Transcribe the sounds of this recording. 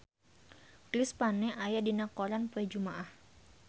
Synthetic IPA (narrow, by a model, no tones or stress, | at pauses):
kɾispanɛʔajadinakoɾanpuɛd͡ʒumaʔah